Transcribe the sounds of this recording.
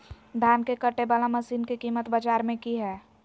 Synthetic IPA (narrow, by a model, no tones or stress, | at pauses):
d̪ʱaːnkekəʈːebaːlaməsiːnkekiːmət̪bad͡ʒaːɾmẽkiɦɛː